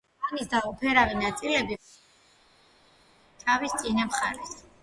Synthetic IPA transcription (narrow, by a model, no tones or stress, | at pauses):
anisd̪aɔpʰɛɾavinat̪sʼilɛbi | t͡ʃ̪ʰavist̪sʼinamχaɾɛs